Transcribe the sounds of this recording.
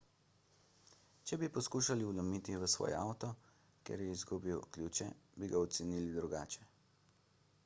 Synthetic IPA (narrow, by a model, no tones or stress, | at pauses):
t͡ʃɛbipɔskuːʃaliulɔmit̪iʋəsʋɔ̰ːjɛ̰awt̪ɔ | kjɛ̰ɾjɛizɡubiwkljuːt͡ʃɛbiɡaɔt̪sɛniːlid̪ɾuɡa̰ːt͡ʃɛ̥